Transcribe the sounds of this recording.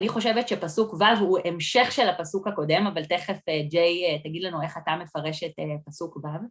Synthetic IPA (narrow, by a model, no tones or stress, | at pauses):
niχo̞ʃe̞vetʃepasukvavhuʔemʃe̞χʃe̞lapasukhako̞de̞mavalte̞χefed͡ʒejtaɡid̪lanue̞χatame̞faʁe̞ʃetepasukvav